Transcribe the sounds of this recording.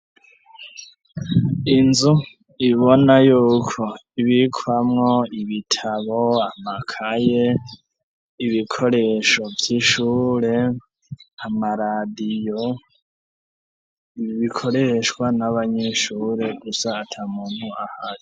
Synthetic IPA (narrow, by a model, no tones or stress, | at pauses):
inzu | iβonajuːkʰo̞iβikʰwamŋo̞iβitʰaβoamakʰaje | iβikʰo̞ɾe̞ʃo̞vjiʃuːɾe̞ | amaɾadijo | iiβikʰo̞ɾe̞ʃwanaβaɲeʃuːɾe̞ɡusaːtʰamuːn̥huahaɾi